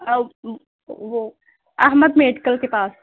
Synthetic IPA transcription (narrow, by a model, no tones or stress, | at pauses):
ʋo | ɐɦməd̪meːɖkəlkepaːs